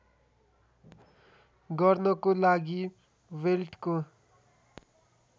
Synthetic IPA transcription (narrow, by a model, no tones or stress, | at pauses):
ɡʌrnʌkolaɡi | welʈko